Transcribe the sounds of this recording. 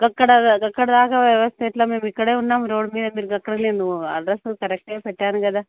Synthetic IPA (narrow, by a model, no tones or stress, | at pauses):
ɡɐkːɐɽɐɡɐkːɐɽɐd̪aːɡɐʋjɐʋɐst̪ʰeiʈlɐmeːmikːɐɽeːunːaːmɾoːɖmiːd̪ɐmiːɾuɡɐkːɐɽneːnd̪uɐ̰ɖɾɐskɐɾek̚ʈepɛʈːaːnɡɐd̪a